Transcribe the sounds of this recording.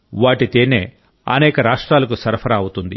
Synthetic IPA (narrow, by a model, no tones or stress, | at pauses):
ʋaːʈit̪eːnḛː | ɐ̰nɛːkɐɾaːʂʈɾaːlɐkusɐɾɐpʰɐɾɐːwut̪und̪ḭ